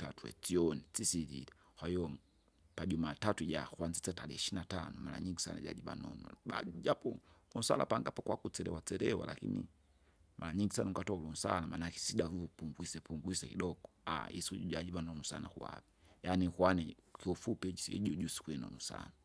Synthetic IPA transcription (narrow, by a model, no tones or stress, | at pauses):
tatuɛ̰t͡siɔnisisiɾili | kwahijɔ | paʄumatatuʄakwanzit͡satalɛhiʃinatanɔmala̰ɲiŋɡisa̰na̰ʄa̰ʄiɓa̰nɔ̰nṵbad͡ʒapɔlun̩sa̰la̰paŋɡapɔkwakut͡sɛɾɛ̰wat͡sɛɾɛwa̰la̰kḭnḭ | mʔalaɲiŋɡisanaŋɡatɔulun̩sa̰lamanakisiɗavuvupuŋɡwisɛpuŋɡwisɛkiɗɔɡɔa̰ḭsuɟuʄad͡ʒiɓanɔnusa̰nakṵa̰vijanikwanɛkiɔfupɛd͡ʒsiɛ̰ʄuɟusi̥kuɛnɔ̰nusa̰na